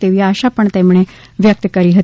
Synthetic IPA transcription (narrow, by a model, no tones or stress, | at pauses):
t̪eːʋiːaːʃaːpəɳt̪ɛːmɳ̃ẽː | ʋjək̚t̪kəɾiːɦət̪